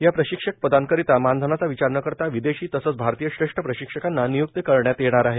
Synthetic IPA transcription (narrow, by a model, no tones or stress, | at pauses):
japɾəɕikʂək̚pəd̪ankəɾit̪amand̪ʱənat͡saʋit͡ɕaɾəɳəkəɾt̪aʋid̪eɕiːt̪əsət͡sbʱaɾt̪ijəɕɾeʂʈʰəpɾəɕikʂəkanːanijuk̚t̪əkəɾɳjat̪jeɳ̃aɾaɦe